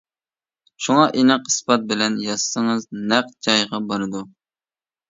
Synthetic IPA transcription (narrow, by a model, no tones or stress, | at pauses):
ʃuŋɑʔinɨqisbɑt̪̚bɪlɛnjɑz̥səŋɨznæq̚d͡ʒɑjʁɑbɑɾɨd̪u